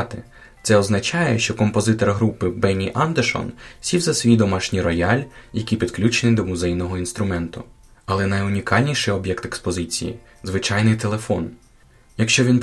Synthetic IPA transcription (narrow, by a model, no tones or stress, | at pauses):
t̪ɪ | t̪sɛɔznɐt͡ʃɑjɛʃt͡ʃɔkɔmpɔzɪt̪ɔrɦɾupɪbɛnʲiʔand̪eʃɔ̰nsʲiwzɐsʲʋʲijd̪ɔmɑʃnʲiɾɔjɑlʲjɐkʲipʲid̪klʲut͡ʃenɪd̪ɔmʊzɛjnɔɦɔinst̪ɾʊmɛnt̪ʊ | ɐlˠɛnɐjʊnʲikɑlʲnʲijʃɪjɔbjɛkt̪ekspɔzɪt͡sʲḭjḭ | zʋɪt͡ʃɑjnɪjt̪e̞lˠefɔn | jɐkʃt͡ʃɔʋʲin